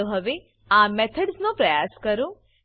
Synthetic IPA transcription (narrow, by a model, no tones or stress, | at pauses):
oɦəʋe | amɛt̪ʰəɖsnõpɾəjaskəɾo